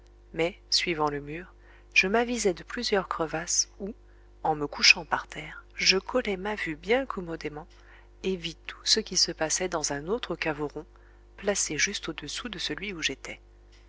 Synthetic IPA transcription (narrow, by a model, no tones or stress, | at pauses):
mɛ | sɥivɑ̃ləmyːʁ | ʒ̥əmavizɛd̪əplyzjœʁkχəvasu | ɑ̃məkuʃɑ̃paʁt̪ʰɛːʁʒəkʰɔlɛmavybjɛ̃kʰɔmɔd̪emɑ̃ | evit̪ʰu̥səkʲisəpasɛd̪ɑ̃zɛ̃not̪χəkavoʁɔ̃ | plaseʒyst̪od̪əsud̪əsəlɥiuʒet̪ɛ